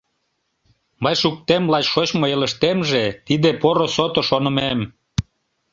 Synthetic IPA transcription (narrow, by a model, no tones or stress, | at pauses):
mɤjʃuk̚t̪emlɑt͡ɕʃot͡ɕmoeləʃt̪emʒet̪id̪epoɾosot̪oʃonə̆mem